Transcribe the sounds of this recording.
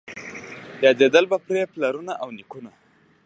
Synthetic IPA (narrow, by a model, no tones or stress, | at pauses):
jɑd̪ed̪əlbapɾeplaɾunaʔawnikuna